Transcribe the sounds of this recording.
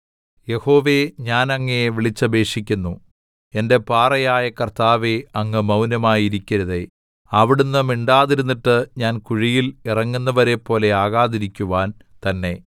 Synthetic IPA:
je̞ho̞ːʋe̞ɲaːnɐŋːejeʋiɭit͡ɕːɐbe̞ːʂikʲːunːu | e̞nde̞paːrɐjaːjɐkɐrt̪aːʋeɐŋːɨmɐwnɐmaːjiɾikʲːiɾɐðe | ɐʋiɽunːɨmiɳɖaːðiɾunːiʈːɨɲaːnkuɻijilirɐŋːunːɐʋɐɾe̞pːo̞ːle̞aːɣaːðiɾikʲːuʋaːn | t̪ɐnːe̞

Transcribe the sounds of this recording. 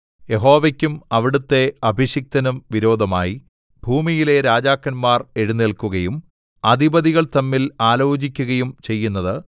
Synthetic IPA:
je̞ɦo̞ːʋɐkʲːumɐʋiɽut̪ːe̞ɐbʱiɕjɐk̚t̪ɐnumʋiɾo̞ːd̪ʱɐma̰ːji | bʱuːmijile̞ɾaːd͡ʑaːkːɐnmaːre̞ɻunːiɭkuɣɐjum | ɐd̪ʱibɐðiɣɐɭt̪ɐmːilaːlo̞ːt͡ɕikʲːuɣɐjumt͡ɕe̞jːunːɐðɨ

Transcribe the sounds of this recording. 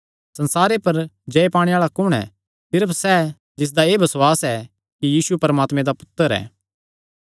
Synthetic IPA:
sɐ̃nsaːɾepɐɾd͡ʒɐepaːɽ̃eaːɭakʊɽ̃ɛ̰ | sɪɾəpʰsɛ | d͡ʒɪs̬d̪aeːbʱɐswaːsɛ | kijiːsupɐɾɐmaːt̪mẽd̪apʊ̥t̪ːəɾɛ̰ː

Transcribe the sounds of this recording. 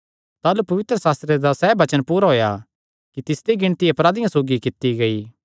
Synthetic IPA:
t̪aːlupɐʋɪt̪ɾəsaːst̪ɾed̪asɛːbɐt͡ʃənpuːɾaɦoːja̰ | kit̪ɪsd̪iɡɪɽ̃t̪iepɾaːd̪ɪjãsoːɡikɪt̪ːiɡɐiː

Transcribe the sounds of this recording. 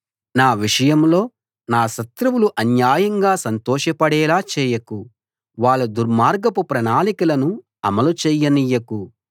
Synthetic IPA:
naːʋiʂɐjɐmlo̞ː | naːʃɐt̪ɾɐwuluʔɐnjaːjɐŋɡaːsɐnt̪ɔːʃɐpɐɽɛːlaːt͡ʃɛːjɐku | ʋaːɭːud̪uɾmaːɾɡɐpupɾɐnaːlikulɐnu | ɐ̰mɐlut͡ʃɛːjːɐnijɐku

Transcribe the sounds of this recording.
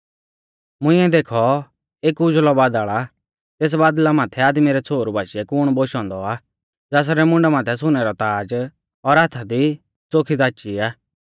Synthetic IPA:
mʊ̃ɪ̃ɛd̪eːkʰɔ | eːkud͡ʒlɔbaːd̪aːɭa | t̪eːs̬baːd̪lamãːt̪ʰɛaːd̪miɾɛt͡sʰoːɾbʱaːʃiɛkʊɽ̃boːʃɔ̃ːnd̪ɔa | d͡zaːs̬aɾɛmʊ̃ɳɖɛmãːt̪ʰɛs̬ʊnɛɾɔt̪aːd͡ʒ | ɔɾaːt̪ʰad̪i | t͡soːkʰid̪aːt͡ʃiaː

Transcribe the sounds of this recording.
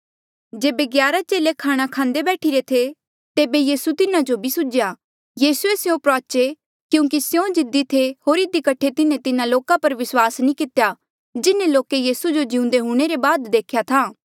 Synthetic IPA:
d͡ʒeːbeɡjaːɾat͡ʃeːlekʰaːɽ̃akʰãːnd̪ebɛːʈʰiɾet̪ʰe | t̪eːbejiːsut̪ɪnãd͡ʒobʱisʊd͡ʒja | jiːsuesjõpɾaːt͡ʃe | kjũːk̬isjõd͡ʒɪd̪it̪ʰeɦoːɾɪd̪ikɐʈʰːet̪ɪnẽt̪ɪnãloːkapɐɾʋɪswaːsnĩkɪt̪eja | d͡ʒɪnẽloːkejiːsud͡ʒod͡ʒɪʊ̃nd̪eɦʊ̃ɽ̃eɾebaːd̪d̪eːkʰjat̪ʰaː

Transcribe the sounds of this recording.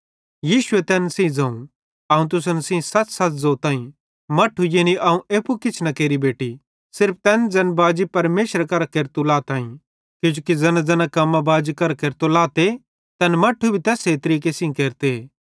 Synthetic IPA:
jiːʃʊet̪ɛːnsĩd͡zɐ̃ːũ | ɐːũt̪̬ʊs̬ənsĩsɐt͡ssɐt͡szoːt̪ãːĩ | mɐʈʰːujeniʔɐːũʔeːpukɪt͡ʃʰnɐkeːɾibeːʈi | sɪɾp̚ʰt̪ɛːnd͡zɐnbaːd͡ʒipɐɾmeːʃəɾakɐɾakeːɾt̪olaːt̪ãːĩ | kʊ̃d͡ʒoːkid͡zɐnãd͡zɐnakɐmːabaːd͡ʒikɐɾkeːɾt̪olaːt̪e | t̪ɐnmɐʈʰːubʱit̪ɛːset̪ɐɾiːk̬esĩkeːɾt̪ee

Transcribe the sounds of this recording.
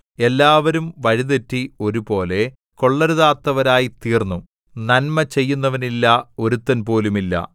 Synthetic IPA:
e̞lːaːʋɐɾumʋɐɻiðetːio̞ɾupo̞ːle̞ | ko̞ɭːɐɾuðaːt̪ːɐʋɐɾaːjit̪iːrnːu | nɐnmɐt͡ɕe̞jːunːɐʋɐnilːɐo̞ɾut̪ːɐnpo̞ːlumilːɐ̰

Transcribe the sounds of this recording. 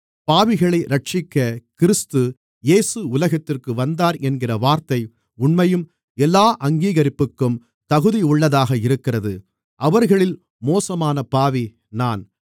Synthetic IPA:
paːʋɪɣɐɭɐɪɾɐʈ̚t͡ʃɪkːɐkɪɾɯst̪ɯ | jeːsɯʊlɐɣɐt̪ːɪrkɯʋɐnd̪aːɾɛnɡɪrɐʋaːɾt̪ɐɪ | ʊɳmɐjɯm | ɛlːaːʔɐŋɡiːɣɐɾɪpːɯkːɯm | t̪ɐɣɯðiʊɭːɐðaːɣɐɪɾɯkːɪrɐðɯ | ʔɐʋɐɾɣɐɭɪl | moːsɐmaːnɐpaːʋi | naːn

